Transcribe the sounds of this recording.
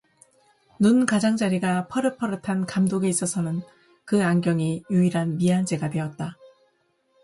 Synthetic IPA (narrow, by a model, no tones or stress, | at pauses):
nunkad͡ʑaŋd͡ʑaɾiɡapʰʌɾɯpʰʌɾɯtʰankamdoɡe̞is͈ʌsʰʌnɯn | kɯaŋɡjʌŋijuiɾɦanmiand͡ʑe̞ɡadwe̞ʌt̚t͈a